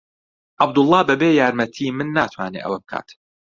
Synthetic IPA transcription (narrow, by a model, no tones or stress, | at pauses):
ʔɑb̚d̪ʊlˠˤːɑːbɐbeːjaːɾmɐt̪ʰiːmɨnːaːt̪ʰwaːnḛːʔɐ̰wɐb̚kʰa̰ːt̪